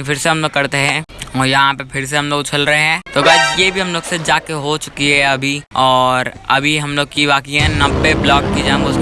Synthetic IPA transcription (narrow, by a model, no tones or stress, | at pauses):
fʰɪɾseɦɐmloːɡkːɐɾt̪eɦɛ̃ːɔːɾjɐɦãpepʰɪɾs̬eɦɐmloːɡt͡ʃʰəlɾɐɦeɦɛ̃ːt̪oɡaːt͡ʃjebʱiɦɐmloːɡsed͡ʒaːkeɦot͡ʃʊ̥kiɦɛ̃ɐbʱiɔːɾɐ̰bʱiɦɐmloːɡ̚kiʋaːkijɦɛ̃nɐbpːeblɔːkkid͡ʒãmkos